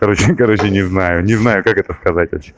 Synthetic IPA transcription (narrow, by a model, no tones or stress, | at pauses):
kɐɾo̞t͡ɕɪkɐɾo̞t͡ɕɪnʲɪznajʊnʲɪznajʊkakɛt̪əskɐzat̚ʲʋɐ̰pɕʲe